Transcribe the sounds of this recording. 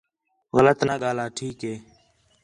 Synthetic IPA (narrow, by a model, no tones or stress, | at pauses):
ɣələt̪naːɠaːlaːʈʰiːkɦeː